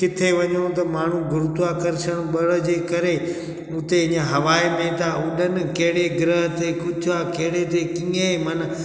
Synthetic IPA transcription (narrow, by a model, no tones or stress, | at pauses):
kɪt̪ʰeʋɐɲõt̪ɐmaːɳ̤ũɡʊɾʊt̪akɐɾɪʃəɽ̃ɓɐɭəd͡ʑeːkɐɾe | ʊ̃t̪eɪɲəɦɐʋaːemẽt̪aʊɗənɪ̆kɐɦɪɽeɡɪɾəɦt̪ekʊd͡ʑaːkɐɦɪɽet̪ekĩːə̃mɐnə̆